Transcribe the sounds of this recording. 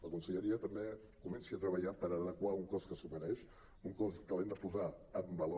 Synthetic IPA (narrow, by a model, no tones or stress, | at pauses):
ləkunsəʎəɾiət̪əmbe | kumɛnsiət̪ɾəβəʎapəɾəðəkwauŋkɔskəsuməɾɛʃ | uŋkɔsk̪əlend̪əpuzaəmbəlo